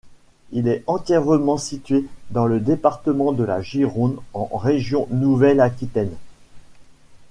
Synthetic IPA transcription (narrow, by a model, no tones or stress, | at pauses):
ilɛɑ̃t̪jɛʁəmɑ̃sit̪ɥed̪ɑ̃ləd̪epaʁt̪əmɑ̃d̪əla̰ʒiʁonɑ̃ʁeʒjɔ̃nuvɛlakʲit̪ɛn